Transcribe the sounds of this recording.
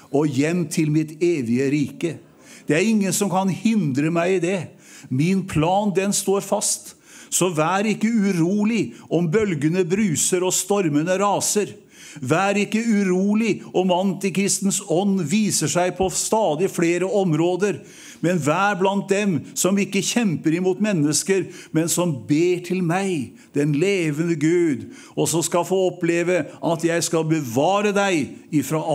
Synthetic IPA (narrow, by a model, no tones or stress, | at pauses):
ɔjɛmːt̪ʰɪlmɪt̪eːʋɪəɾiːkə | d̪̥ɛæɾɪŋːənsɔmkʰɑnhɪnd̪ɾəmæɪɪd̪ɛ | mɪnpʰlɑːnd̪ɛnst̪oːɾfɑst̪ | sɔʋæːɾɪkːəʉɾuːlɪɔmbœlɡənəbɾʉːsəɾɔst̪ɔɾmənəɾɑːsəɾ | ʋæːɾɪkːəʉɾuːlɪɔmɑnt̪ɪkʰɾɪst̪ən̩sɔnːʋiːsəʂæɪpʰɔst̪ɑːd̪ɪfleːɾəɔmɾoːd̪əɾ | mɛnʋæːɾblɑnt̪̚d̪ɛmsɔmɪkːəçɛmpəɾɪmuːt̪mɛnːəskəɾ | mɛnsɔmbeːʈʰɪlmæɪ | d̪̥ɛnleːʋənəɡʉːd̪ | ɔsɔmskɑlfoːɔpleːʋəʔɑt̪jæɪskɑlbəʋɑːɾəd̪æɪɪfɾɑː